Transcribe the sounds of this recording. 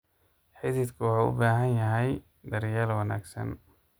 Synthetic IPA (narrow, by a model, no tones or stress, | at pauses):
ħɪðɪd̪kʰʊwɑħuʊ̰baːɦɐnjɐɦɛj | d̪ɐɾjaːlwɑna̰ːɡsɐ̰n